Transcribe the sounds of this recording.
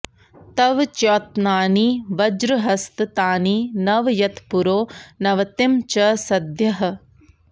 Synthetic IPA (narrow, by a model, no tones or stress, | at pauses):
t̪ɐʋt͡ʃjoːt̪naːniːʋɐd͡ʒɾɨɦɐst̪t̪aːniːnɐʋjɐt̪puɾoːnɐʋɐt̪ɪmt͡ʃɐsɐd̪jɐɦɐ̆